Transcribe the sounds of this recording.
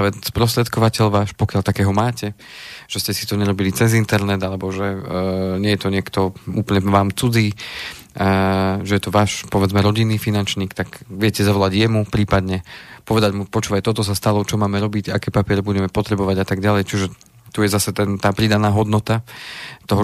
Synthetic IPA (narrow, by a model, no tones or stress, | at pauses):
aʋɛspɾɔst̪ɾɛt̪kɔʋacɛʎʋaːʃpɔkjalt̪akɛːɦɔmaːcɛ | ʒ̥ɛscɛsit̪ɔɲɛɾɔbilit͡sɛzint̪ɛɾnɛd̪alɛbɔʒɛɲɪɛjɛt̪ɔɲɪɛkt̪ɔuːpl̩ɲɛʋaːmt͡sud͡ziː | ʒɛjɛt̪ɔʋaːʃpɔʋɛd͡zmɛɾɔɟinːiːfinant͡ʃɲiːkt̪aɡʋɪɛcɛzaʋɔlaɟjɛmupɾiːpad̪ɲɛpɔʋɛd̪aɟmupɔt͡ʃuːʋajt̪ɔt̪ɔs̬ast̪alɔt͡ʃɔmaːmɛɾɔbicakɛːpapɪɛɾɛbuɟɛmɛpɔt̪ɾɛbɔʋaɟat̪aɡɟalɛjt͡ʃuʒɛ | t̪ujɛzasɛt̪ɛnt̪aːpɾid̪anaːɦɔd̪nɔt̪at̪ɔɦɔ